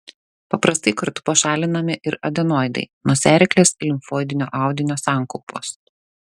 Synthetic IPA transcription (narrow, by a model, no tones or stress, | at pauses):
pɐpɾɐst̪ɐɪkɐɾt̪ʊ̥pɐʃɑːlʲɪnɐmʲɪʔɪɾɐd̪ʲɛnoːjd̪ɐ̰ɪnoɔsʲæːɾʲɪklʲeːslʲɪmfoːjd̪ʲɪnʲoːʔɑˑʊd̪ʲɪnʲoːsɑːˑŋkɔʊpoːs